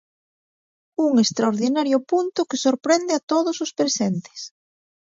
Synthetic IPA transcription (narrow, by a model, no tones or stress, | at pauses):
uŋest̪ɾaoɾðinaɾjʊpunt̪ʊkesoɾpɾend̪eat̪oðosʊspɾesent̪e̥s